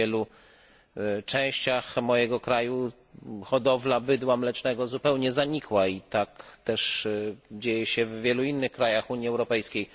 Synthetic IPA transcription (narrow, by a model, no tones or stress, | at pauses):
ɛlu | t͡ʂɛ̃w̃ɕt͡ɕaxmɔjɛɡɔkɾaju | xɔd̪ɔvlabɘd̪wamlɛt͡ʂnɛɡɔzupɛwɲɛzaɲikwait̪akt̪ɛʂ | d͡ʑejɛɕɛvːʲjɛluinːɘxkɾajaxuɲiɛwɾɔpɛjskʲej